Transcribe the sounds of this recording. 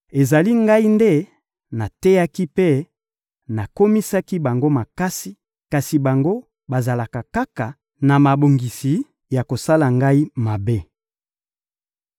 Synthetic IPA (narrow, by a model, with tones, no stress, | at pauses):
e˨za˨li˦ŋɡa˦i˦nde˦ | na˨tɛ˦ja˦ki˦pe˦ | na˨ko˦mi˦sa˦ki˦ba˨ŋɡo˦ma˨ka˦si˨ | ka˨si˨ba˨ŋɡo˦ | ba˨za˨la˨ka˨ka˦ka˨ | na˨ma˨bo˨ŋɡi˨si˨ | ja˨ko˨sa˦la˨ŋɡa˦i˦ma˨be˦